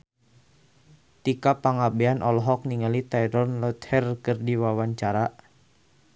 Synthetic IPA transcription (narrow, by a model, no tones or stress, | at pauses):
t̪ikapaŋabɛanʔɔlɦɔk̚niŋalit̪ajɾɔnlɔt̪hɛrkɨrdiwawaɲt͡ʃaɾa